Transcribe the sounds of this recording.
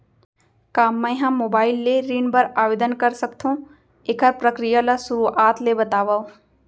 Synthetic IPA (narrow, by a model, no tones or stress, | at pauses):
kaːmːɛ̃ɦɐ̃mmːoːbaːɪlːeɾiːnbəɾaːʋeːd̪ənkɐɾsɐkt̪ʰɦũ | eːkəɾpɾəkɾijalasuɾuʔaːt̪lebɐt̪aːʋaːo